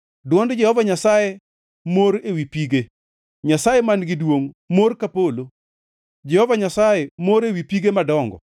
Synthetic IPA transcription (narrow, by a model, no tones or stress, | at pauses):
dwɔndd͡ʒɛhɔvaɲasaje | moɾewipiɡe | ɲasajemanɡɪdwoŋmorkapolo | d͡ʒɛhɔvaɲasajemoɾewipiɡemadɔŋɡɔ